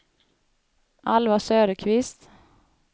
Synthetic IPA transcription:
ʔalvasøːɾəkʰvɪst̪

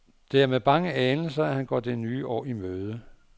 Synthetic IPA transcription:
d̥e̝æɐmeb̥ɑ̈ŋəɛːnl̩sɐæhænɡ̥ɒ̰ːd̥enyːʔɒ̰ːimøːð̞ˠə

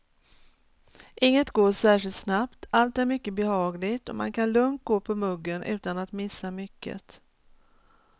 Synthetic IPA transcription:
ʔɪŋːət̪ɡoːʂæːʂɪlt̪snapt̪alt̪æɾmʏkːəbɛhɑːɡlɪɡt̪ɔma̰nkʰanlɵŋt̪̚ɡoːpʰɔmɵɡːənʔʉ̟ːt̪anat̪mɪsːamʏkːə̰t̪

